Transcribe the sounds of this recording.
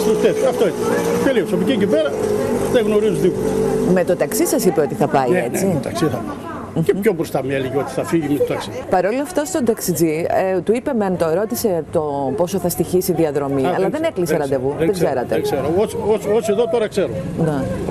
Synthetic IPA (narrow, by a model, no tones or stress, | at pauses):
st̪ost̪et̪ɐft̪oinet̪eliosɐpocicipeɾɐðeɣno̞ɾizuðipome̞t̪o̞t̪ɐksisɐsipe̞o̞t̪iθɐpɐiet͡sit̪ɐksiθɐpɐ | mceçobɾost̪ɐmiɐliʝiot̪i̥θɐfiʝimet̪ot̪ɐksipɐɾo̞loɐft̪ɐst̪od̪ɐksid͡zit̪uipement̪oeɾo̞t̪ise̞t̪opo̞so̞θɐst̪içisiðiɐðɾo̞miɐlɐðene̞kliseɾɐnd̪e̞vuððeɡse̞ɾɐt̪eɡseɾoosososieðot̪oɾɐkseɾone